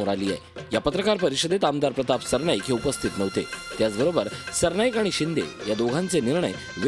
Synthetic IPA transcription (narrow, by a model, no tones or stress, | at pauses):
oɾaliːa̰ḛjapət̪ɾəkaɾpəɾiɕəd̪et̪amd̪aɾpɾət̪apsəɾɳajkɦiupəst̪ʰit̪nəʋt̪et̪jat͡sbəɾobəɾsəɾɳajkaɽ̃iɕind̪ḛjad̪oɡʱãnt͡seniɾɳəj | ʋ